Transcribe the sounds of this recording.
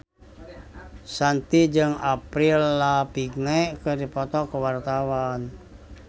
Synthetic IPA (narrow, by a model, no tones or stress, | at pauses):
sant̪id͡ʒɨŋapɾilːapiɡnɛʔkədipɔt̪ɔkəwart̪awan